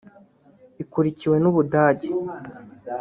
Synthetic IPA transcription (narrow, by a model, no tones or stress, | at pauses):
ikuɾiciwe̞nuβudaːɟe